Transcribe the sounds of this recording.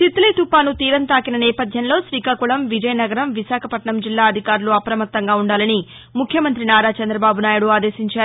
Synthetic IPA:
t̪it̪ːleːt̪upːaːnut̪iːɾɐnt̪aːkinɐnɛːpɐd̪ʱjɐnlo̞ːsʋiːkaːkuɭɐmʋid͡ʒɐjɐnɐɡɐɾɐmʋisaːkʰɐpɐʈɳɐmd͡ʒilːaːɐd̪ʱikaːɾuluɐpɾɐmɐt̪ːɐŋɡaːuɳɖaːlɐni | mukʰjɐmɐnt̪ɾinaːɾaːt͡ʃɐnd̪ɾɐbaːbunaːjɐɽuaːd̪e̞ːsiɲt͡ʃaːɾ

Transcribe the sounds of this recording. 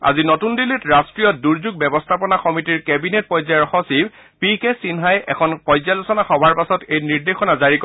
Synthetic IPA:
a̰zinɔtundilitɹastɹijɔt̚duɹzuɡ̚bɛbɔstʰapɔnaxɔmitiɹkɛbinet̚pɔjzaɹxɔsib | pikesinɦajɛkʰɔnpɔjzalosɔnaxɔbʱaɹpasɔtejniɹdexɔnazaɹikɔ

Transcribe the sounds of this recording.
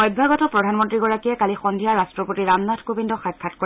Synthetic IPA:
ɔjbbʱaɡɔtɔpɹɔdʱanmɔntɹiɡɔɹakiɛkalixɔndʱijaɹastɹɔpotiɹamnatʰkubindɔxak̚pʰatkɔ

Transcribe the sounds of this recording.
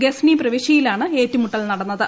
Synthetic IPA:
ɡesniprɐʋiɕɐjilaːɳɨeːtːumuʈːɐlnɐɽɐnːɐðɨ

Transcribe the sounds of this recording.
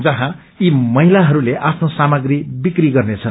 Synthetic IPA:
d͡zʌɦã | imʌɦilaɦʌɾuleʔapʰnosamʌɡribikriɡʌrnet͡sʰʌn

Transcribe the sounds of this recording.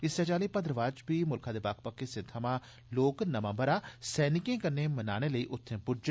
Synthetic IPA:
ɪst͡ʃaːt͡ʃaːliːpənd̪ɾəʋaːd͡ʒpiːmʊlkʰãːd̪eːbaːkʰpəkːeːsɪ̃ːt̪ʰəmãː | loːknəmãːbəɾaːsɛːnɪkẽːkəɾneːmənaːɽ̃eːləiːʔʊt̪ʰːẽːpʊɾd͡ʒ

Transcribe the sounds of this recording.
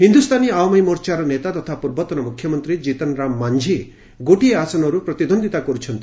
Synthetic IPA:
ɦind̪ust̪ʰaniaɔmʌjmɔɾt͡ʃaɾɔnet̪at̪ɔt̪ʰapuɾbɔt̪ːɔnɔmukʰjɔmɔnt̪ɾid͡ʒit̪ɔnɾamːand͡ʒʱi | ɡoʈieasɔnɔɾupɾɔt̪id̪ʱɔnd̪ʱit̪akɔɾut͡ʃʰʌnt̪i

